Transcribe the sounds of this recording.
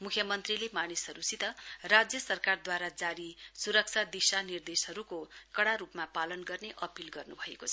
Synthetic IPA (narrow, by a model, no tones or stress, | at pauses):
mukʰjʌmʌnt̪rilemanisɦʌɾusit̪ʌrad͡zjʌsʌrkard̪waɾad͡zaɾisuɾʌk̚t͡sʰad̪isanird̪esɦʌɾukokʌɽaɾupmapalʌnɡʌrneʔʌpilɡʌrnubʱʌekot͡sʰʌ